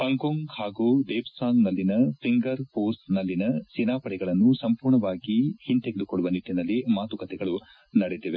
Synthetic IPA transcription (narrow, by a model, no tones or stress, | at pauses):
ɦɐŋkoŋɡhaːɡuːd̪eːbsaːŋɡnɐlːinɐpʰiŋɡɐɾpoːsnɐlːinɐsinaːpɐɽɛɡɐɭɐnːusɐmpuːɾɳɐʋaːɡihint̪eɡed̪ukoɭːuʋɐnit̪ːinɐlːimaːt̪ukɐt̪ʰɛɡɐɭu | nɐɽet̪eʋe